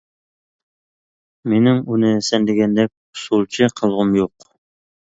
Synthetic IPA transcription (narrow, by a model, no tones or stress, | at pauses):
minɪŋunɘsænd̪ɘ̆ɡʲænd̪æp̚sulˠt͡ɕɤqʰɤ̆lˠʁəmjuq